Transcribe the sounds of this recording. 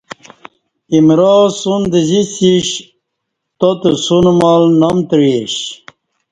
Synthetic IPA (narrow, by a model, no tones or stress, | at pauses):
imɾoːsund̪ezisiɕ | t̪ot̪əsunmalnɐmt̪ɻiɕ